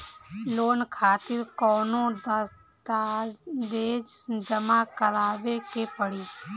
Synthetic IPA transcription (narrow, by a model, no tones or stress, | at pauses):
loːnkʰaːt̪ɪɾkɔːnõːd̪əs | d̪ad̪eːd͡ʒd͡ʒəmaːkəlaːʋeːkeːpəɽiː